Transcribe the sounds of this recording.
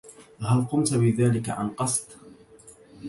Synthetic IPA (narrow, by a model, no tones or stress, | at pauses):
halqʊmt̪abɪðaːlɪka̰ʕa̰nqɑsˤt̪ˤ